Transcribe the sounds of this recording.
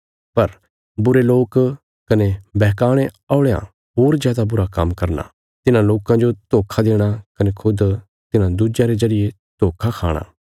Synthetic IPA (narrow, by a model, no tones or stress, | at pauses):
pɐɾ | bʊɾeloːk | kɐnebɛːɦkaːɽ̃e | aːʊɽejã̰ | ɦoːɾzjaːd̪abʊɾakɐ̰mkɐɾna̰ | t̪ɪnãloːkãd͡ʒot̪oːkʰad̪eːɽ̃akɐnekʰʊd̪ | t̪ɪnãd̪ʊd͡ʒjãɾezɐɾɪje | t̪oːkʰakʰa̰ːɽ̃a̰ː